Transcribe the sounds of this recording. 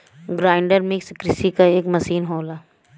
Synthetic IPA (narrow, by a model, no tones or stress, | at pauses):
ɡɾaːɪ̃ɳɖəɾmɪkskɾɪsikaeːkmɐsiːnɦoːlaː